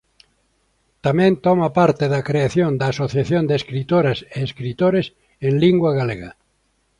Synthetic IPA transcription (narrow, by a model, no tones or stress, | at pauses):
t̪amẽnt̪omapaɾt̪eðakɾeaθjond̪aːsoθjaθjond̪eːskɾit̪oɾaseːskɾit̪oɾes | enliŋɡwaɣaleɣa̰